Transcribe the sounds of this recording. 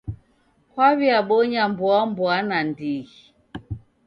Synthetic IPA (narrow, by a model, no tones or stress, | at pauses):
kwaβiaɓɔɲambwambwanandiɣi